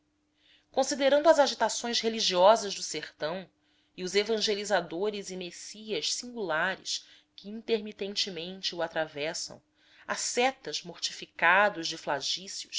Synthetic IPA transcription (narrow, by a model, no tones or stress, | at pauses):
kõsid̪eɾɐ̃nd̪ʊɐzaʒit̪asõj̃sheliʒiɔzɐʒd̪ʊseχt̪ɐ̃w̃ | iʊzevɐ̃ʒelizad̪oɾɪzɪmesiɐʃsĩŋɡulaɾɪ̰ʃ | kɪĩnt̪eɾmit̪ẽnt͡ʃɪmẽnt͡ʃɪuat̪ɾavɛsɐ̰̃w̃ | asɛt̪ɐzmoɾt͡ʃifikad̪ʊzd͡ʒɪflaʒisjʊʃ